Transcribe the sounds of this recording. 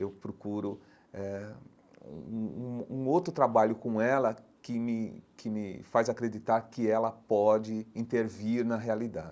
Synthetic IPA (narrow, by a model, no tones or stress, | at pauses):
ewpɾokuɾʊ | ɛ | ṵ̃ũũũowt̪ɾʊt̪ɾabaʎʊkõɛlɐkɪmɪkʰɪmɪfazakɾed͡ʒit̪aɾkɪɛlɐpɔd͡ʒɪĩnt̪eɾviɾnɐɦealid̪ad͡ʒɪ